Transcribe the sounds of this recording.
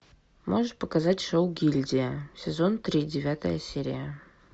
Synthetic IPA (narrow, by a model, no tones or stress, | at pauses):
mʔoʐɨt̪̚pəkazatʲʂowɡʲilʲdʲɪəsʲɪzo̞nt̪ɾʲidʲɪvʲat̪ə̰jəsʲeɾʲɪ̰jə